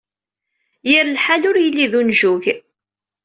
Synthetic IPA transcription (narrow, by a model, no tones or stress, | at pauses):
jəɾlħalʊɾjəlːiðunʒuʝ